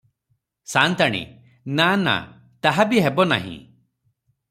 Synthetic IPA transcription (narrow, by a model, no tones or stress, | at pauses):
sant̪aɽ̃ḭ | nana̰ | t̪aɦabiɦebɔna̰ɦḭ̃